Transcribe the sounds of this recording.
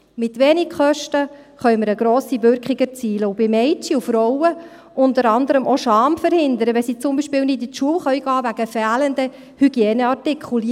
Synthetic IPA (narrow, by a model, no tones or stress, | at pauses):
mɪt̪ʋeːnɪkχœʃtə | χœɥməɾəɡɾoːsiʋʏɾkχɪɡət͡siːləubɪmɛjt͡ʃiufɾɔwə | ʔʊntəɾɑnd̪əɾəmʔoʃɑːmfəɾhɪnd̪əɾəʋɛsiːt͡sʊmbiːʃpɪːwnɪditʃuəwχœʏɡ̥ɑːʋæɡ̥əfæːlənd̪ə | hyɡ̥jeːnəɑrtɪkχuli